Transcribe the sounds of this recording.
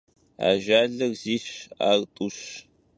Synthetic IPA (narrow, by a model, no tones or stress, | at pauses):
a̰ːʒaːɮɨrziːɕa̰ːrtʼuɕ